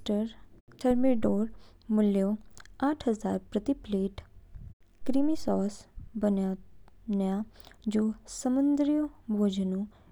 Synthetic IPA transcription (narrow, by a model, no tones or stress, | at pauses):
ʈəɾʈʰəɾmiɖoːɾmʊljoaːʈʰɦəza̰ːɾpɾət̪ipleːʈ | kɾimisɔːsbənjanjad͡ʒoːsəmə̃nd̪ɾijobʱoːd͡ʒnõ